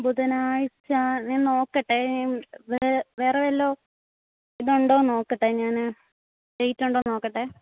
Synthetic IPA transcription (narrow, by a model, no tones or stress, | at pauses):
buðɐnaːɻit͡ɕːaɲaːnno̞ːkːɐʈːeʋeʋe̞ːreʋɐlːoː | iðuɳɖoːno̞ːkːɐʈːeɲaːnɨ | ɖejtːuɳɖo̞ːno̞ːkːɐʈːe